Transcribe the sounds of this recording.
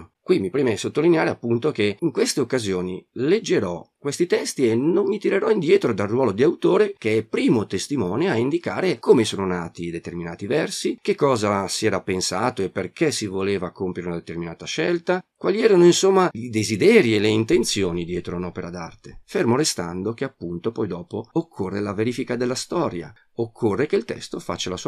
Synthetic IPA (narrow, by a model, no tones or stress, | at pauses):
kwimːipɾimesot̪ːolineaːɾeapːunt̪ok̟eiŋkwest̪eokːazjoːniled͡ʒːeɾɔ̰kwest̪it̪ɛst̪ienonːit̪iɾeɾɔind̪jɛːt̪ɾod̪alrːwɔːlod̪iawt̪oːɾekeɛpːɾiːmot̪est̪imɔːnoaind̪ika̰ːɾekomesoːnonaːt̪id̪et̪erminaːt̪ivɛrsikekːɔːzasiɛːɾapensaːt̪oepːerkesivoleːvakompjeɾeunad̪et̪erminaːt̪aʃɛlt̪akwaːliɛːɾanoinsomːaid̪ezid̪ɛːɾieleint̪ent̪sjoːnid̪jɛːt̪ɾounɔːpeɾad̪a̰rt̪e̥fermoɾest̪a̰nd̪ok̟eapːunt̪opɔjd̪ɔːpookʰːorːelaveɾifikad̪elːast̪ɔːɾja̰ | okʰːorːekeilt̪ɛ̰st̪ofa̰t͡ʃːalasu